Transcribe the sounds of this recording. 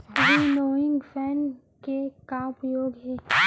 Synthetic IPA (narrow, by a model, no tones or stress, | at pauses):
biloːɪ̃ŋɡfʰɛːn | kekaʊpjoːɡɦɛː